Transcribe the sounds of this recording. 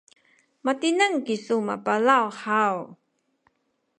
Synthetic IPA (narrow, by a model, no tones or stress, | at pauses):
matinəŋkisuma̰palawħaw